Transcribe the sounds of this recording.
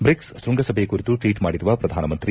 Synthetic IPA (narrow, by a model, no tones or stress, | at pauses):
bɾikssɾuŋɡɐsɐbʱejkuɾit̪uʈʋiːʈmaːɽiɾuʋɐpɾɐd̪ʱaːnɐmɐnt̪ɾi